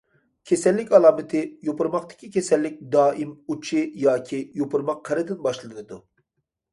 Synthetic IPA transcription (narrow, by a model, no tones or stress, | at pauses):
kʲʰesɛlːɪkʲɑlˠɑːmɨt̪ʰɪjopʰʊɾmɑqt̪ɪ̥kʲikʲesɛlːɪk̚ʲd̪ɑːʔimut͡ʃʰijɑːkʲʰijopʊɾmɑqːʰɛɾɨd̪ɪnbɑʃlˠɨnɨd̪u